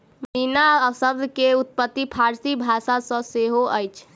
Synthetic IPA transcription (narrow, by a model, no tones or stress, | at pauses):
məɦinaəsəb̚d̪ʱkeut̪̚pət̪ːipʰaɾsibʱasasə̃seɦoʔəjt͡ʃʰ